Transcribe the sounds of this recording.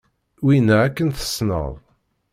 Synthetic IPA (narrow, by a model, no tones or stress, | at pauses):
winaækːənθə̥snə̰ðˤ